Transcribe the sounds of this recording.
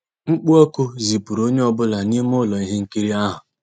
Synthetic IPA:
ŋ͡m̩˦k͡pu˦ɔ˦kʊ˦zi˨pu˨ɾo˦ɲe˦ɔ˦bʊ˦la˨ni˦m˦ʊ˦lɔ˨i˦ɦe˦ŋ̩˦ki˦ɾi˦a˦ɦʊ˨

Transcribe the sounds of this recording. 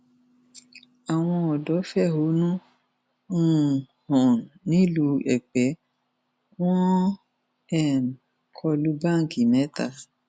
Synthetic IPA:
a˨w̃ɔ̃˧ɔ˨dɔ˨˦fɛ˦˨ɦo˨˦nũ˦ | ũ˦˨ | hɔ̃˨nnĩ˨˦lu˧ɛ˨k͡pɛ˨˦ | w̃ɔ̃˦ | ɛ˦˨m˨ | kʰɔ˧lu˨˦ba˦˨ŋ̩˨ki˨nɛ̃˨˦ta̰˧

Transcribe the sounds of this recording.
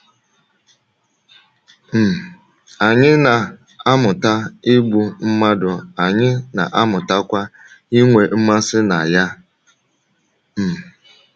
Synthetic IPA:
m̩˨ | a˨ɲɪ˦na˨ | a˦mʊ˨ta˦ɪ˦ɡ͡bu˦m̩˦ma˦dʊ˨a˨ɲɪ˦na̰˨ʔa˦mʊ˨ta˦kʷa˦ | i˦ŋʷe˨m̩˦ma˦sɪ˦na˨ja˦ | m̩˨

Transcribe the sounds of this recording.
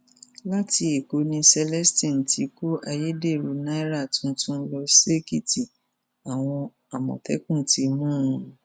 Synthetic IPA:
la˦ti˧e˨ko˨˦nĩ˧sɛ˧lɛ˦stĩ˦˨tʰi˨˦ko˦ʔa˧je˦de˦˨ɾu˨˦nã˦ɾa˦˨tũ˨˦tũ˦n̩˦lɔ˧se˦ki˦˨ti˨ | a˨w̃ɔ̃˧ | a˨mɔ̰̃˨tɛ̰˨˦kũ˦˨tʰi˨˦mũ˦˨˧

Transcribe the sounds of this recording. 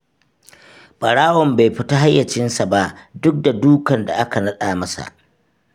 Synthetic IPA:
ɓʼɐ˨ɽaː˦wɔ˨mba˨jɸɪ˦ta˦ɦa˦jːɐ˨t͡ʃɪ˦nsa˨ba˦ʔdʊ˦k̚da˨duː˦kɐ˨nda˨ʔa˦ka˨nɐ˦ɗaː˨mɐ˦sa̰˨ʔ

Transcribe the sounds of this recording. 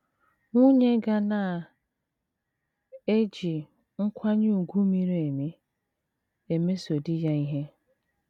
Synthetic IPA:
ŋʷu˦ɲe˦ɡa˦na˨ | e˦d͡ʒi˨ | ŋ̩˦kʷʰa˦ɲ˦u˨ɡʷu˦mi˨ɾe˨me˦ | e˨me˦so˨di˦ja˦i˦ɦe˦

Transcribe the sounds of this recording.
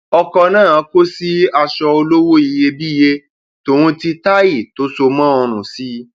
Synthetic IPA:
ɔ˧kɔ˧nãː˦˨˧ko˦si˦a˧ʃɔ˧o˧lo˦wo˦i˧je˧bi˦je˧ | to˨ɾ̃ũ˧ti˧ta˦ji˦˨to˨˦so˧mãː˦ɔ˧ɾ̃ũ˨si˦

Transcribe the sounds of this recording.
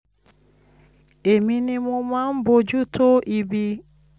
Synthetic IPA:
e˨mi˦ni˦mʊ˦ma˦m̩˦bʊ˨d͡ʒu˦to˦ʔi˨bi˦

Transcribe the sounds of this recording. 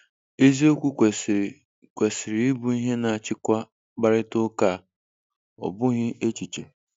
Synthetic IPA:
e˦zi˦o˦kʷu˦˨ | kʷe˨sɪ˨ɾi˨˦ɪ˦bu˦i˦ɦe˦na˨a˨t͡ʃɪ˦kʷa˦ | k͡pa˦˨ɾɪ˦tʊ˦ka˦˨ | ɔ̰˨bʊ˦ɣɪ˦ʔe˦t͡ʃi˨t͡ʃe˨

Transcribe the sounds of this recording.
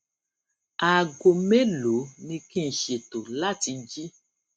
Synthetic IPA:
a˨ɡo˨me˦lo˨˦mĩ˧kĩ˦˨ʃe˨t̪o˨la˦ti˧d͡ʒi˦

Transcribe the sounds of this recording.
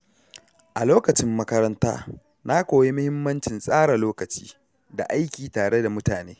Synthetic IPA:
ʔa˨loː˦kɐ˨t͡ʃɪ˦mːɐ˦kɐ˦ɾɐ˦nta̰ː˦ | na˦kʷoː˨je˦mʊ˦hɪ˦mːɐ˦nt͡ʃɪ˨nsʼaː˦ɽa˨loː˦kɐ˨t͡ʃi̥̰ː˦ | da̰˨ʔa˦jkʲiː˨taː˨ɽe˦da˨mʊ˦taː˨neː˦

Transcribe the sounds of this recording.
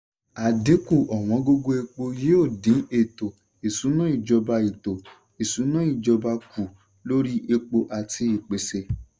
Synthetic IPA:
a˨de˨˦ku˦˨ʔɔ˨w̃ɔ̃˨˧˦ɡo˧ɡo˧e˧k͡po˧je˦o˦˨dĩ˨˦e˦˨to˨ | e˨sũ˨˦nã˦i˦˨d͡ʒɔ˧ba˧i˨to˨ | e˨sũ˨˦nã˦i˦˨d͡ʒɔ˧ba˧ku˨ | lo˦ɾi˦ʔe˧k͡po˧ʔa˨tʰi˧i˨k͡pe˨se˧

